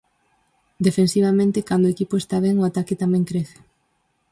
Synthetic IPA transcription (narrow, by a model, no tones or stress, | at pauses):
d̪efensiβ̞amẽnt̪ɪkand̪oekipoest̪aβ̞ɛŋoat̪akɪt̪amɛ̃ŋkɾeθe̥